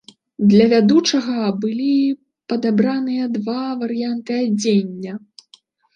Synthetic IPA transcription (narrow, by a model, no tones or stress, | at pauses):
d̪lʲɐvʲad̪ut͡ʂɐɣɐbɨlʲi | pɐd̪abɾanɨjɐd̪vavɐɾjant̪ɨad͡zʲenʲːɐ